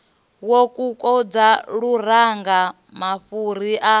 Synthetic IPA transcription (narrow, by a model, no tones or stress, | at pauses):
wokʼukʼɔd͡zaɺuɾaŋɡa | maɸuɾiʔa